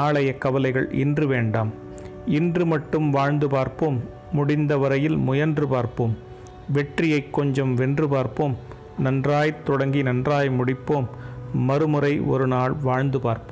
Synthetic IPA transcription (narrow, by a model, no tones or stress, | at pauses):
aːɭɐjɐkːɐʋɐlɐɪɣɐɭɪ̰ndrɯʋeːɳɖaːm | ɪndrɯmɐʈːɯmʋaːɻnd̪ɯpaːɾpomː | ʊɽɪnd̪ɐʋɐɾɐjɪlmʊjɐndrɯpaːɾpoːm | ʋɛʈrɪjɐɪkːɔɲd͡ʒɐmʋɛndrɯpaːɾpoːm | nɐndraːjt̪ːɔɽɐŋɡinɐndraːjmʊɽɪpːoːmːɐɾɯmɯrɐɪʔɔ̰ɾɯnaːɭʋaːɻnd̪ɯpaːɾpɯ